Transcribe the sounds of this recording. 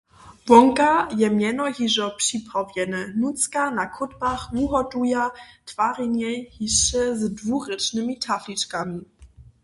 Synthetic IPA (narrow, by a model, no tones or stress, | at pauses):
vɔŋkajɛmjɛnɔɦiʐɔpʂipavjɛnənutt͡skanakʰʊdbaχvuɦɔdujatv̥aʁɛɲɛhiʃɛzdvuʁɛt͡ʃnɘmitʰaflit͡ʃkami